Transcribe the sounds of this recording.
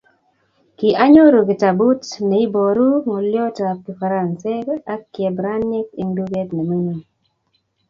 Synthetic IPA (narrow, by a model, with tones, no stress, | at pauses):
ki˨ʔa˦ɲo˦ɾo˨ɡi˨ta˨bu˦tne˨i˦bo˨ɾu˦mo˨ljɔ˦ta˨pi˨fa˨ɾa˨nsɛ˦ka˦kjɛ˨bɾa˦ni˦ke˦ŋdu˦ɡɛ˦tne˨me˦ŋi˨